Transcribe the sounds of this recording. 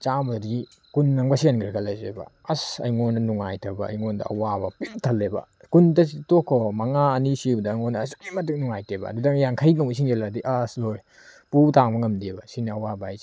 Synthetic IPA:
t͡ʃamɐdɡi | kunːɐŋbɐsijanɡiɾɡʰɐlɐzḛbɐ̰ | ɐsɐ̰jŋonːɐnuŋajtʰɐbɐ̰ːjŋondɐ̰ɐ̰wabɐpiltʰɐlːebɐ̰ | kuntɐs̬itokʰːɔmɐŋaɐnisibɐdɐŋonɐːsu̥k̚imɐt̬uk̚nuŋajtʰebɐ̰dudɐŋjaŋkʰɐjnawis̬iŋd͡ʒeladiʔasloj | putaŋbɐŋɐmdebɐsinɐɐwabajz

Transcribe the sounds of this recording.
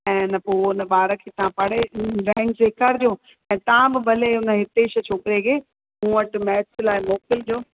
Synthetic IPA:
ɛ̃ːnpoːʊnəbaːɾəkʰeːt̪ɐãpɐɽ̤eɾɛ̃ːŋɡd͡ʑeːkaːɾd͡ʑijõː | ɛ̃ːt̪ɐɦãbɪbʱɐleʊnə̆ɦɪt̪eʃɐt͡ɕʰoːkɪɾekeː | ũːʋəʈmɛːslaːɦɪmoːkɪld͡ʑoː

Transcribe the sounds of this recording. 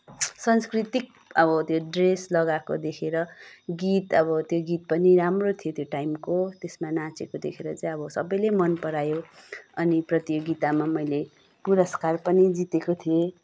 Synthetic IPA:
sʌnskrit̪ik̚ | ʌbʌt̪joɖreslʌɡakod̪ekʰeɾʌɡit̪ʌbʌt̪joɡit̪̚pʌniɾamrot̪ʰijot̪joʈajmkot̪esmanãt͡sekod̪ekʰeɾʌt͡saĩʌbʌsʌbʌjlemʌnpʌɾajoʌniprʌt̪joɡit̪amamʌjle | puɾʌskarpʌnid͡zit̪ekot̪ʰije

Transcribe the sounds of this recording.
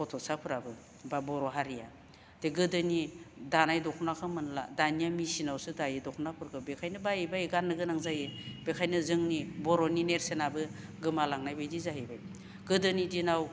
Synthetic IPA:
pʰɔtʰɔsapʰɯɾabɯ | babɔɾɔɦaɾija̰ | deɡɯdɯnidanajdɔkʰnakʰɯmɯnla̰danijamisinawsɯdajidɔkʰnapʰɯɾɡʰɯbekʰajnɯbajibajɡanːɯɡɯnaŋzajebekʰajnɯzɯŋnibɔɾɔnineɾsenabɯɡɯmalaŋnajbajdizaɦibaj | ɡ̥ɯdɯnidinaw

